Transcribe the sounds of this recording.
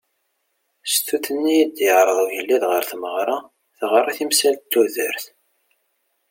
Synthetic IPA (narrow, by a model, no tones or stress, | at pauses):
st̪uθənːijid̪jəʁɾˤəðˤuʝəlːiðʁəɾθməʁɾˤɑ | θʁəɾˤːiθimsælt̪t̪ːuðə̰ɾθ